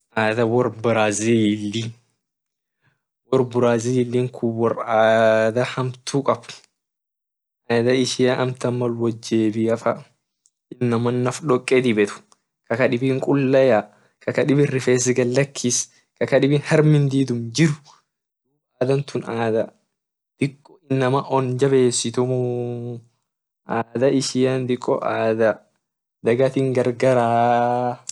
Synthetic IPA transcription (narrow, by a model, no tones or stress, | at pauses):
ʔaːd̪ɐwɔɾbɪɾaːzilːi | wɔɾbʊɾaːzilːiːŋkʰʊwɔɾaːd̪ɐhɐmt̪ʰuːkʼɐb | ʔaːd̪ɐɪʃɪaʔɐmt̪ɐmːɐlwɔd͡ʒːeːbiɐfɐ | ɪnːɐmɐnːɐfᶑɔkʼːɛːd̪ɪbɛt̪ʊ̥ | kɐkɐᶑɪbiːŋkʼʊlːɐja | kʰɐkɐᶑɪbɪrːɪfeːs̬ɪɡɐlːɐkʰːis | kɐkɐᶑɪbinhɐɾmɪnd̪iːd̪ʊmd͡ʒɪɾʊ̥ | uːaːd̪ɐnt̪ʊnaːd̪ɐ | d̪̥ɪkʼːɔɪnːɐmɐʔɔnd͡ʒɐbe̞ːsːɪt̪ʊmʊ | ʔaːd̪ɐɪʃɪjɐnd̪ɪkʼːɔ̰ʔaːd̪ɐ | d̪ɐɡɐt̪ɪŋɡɐɾɡɐɾaː